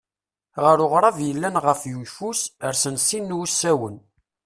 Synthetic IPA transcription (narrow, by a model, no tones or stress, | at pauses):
ʁəɾʊʁɾˤɑvjəlːænʁəfjujfusəɾsənsinːusːæwən